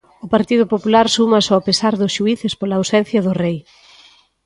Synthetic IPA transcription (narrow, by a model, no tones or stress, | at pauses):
ʊpaɾt̪iðʊpopulaɾsumɐsɔapesaɾðʊsʃuiθɪspolaːwsɛn̟θjɐðʊrej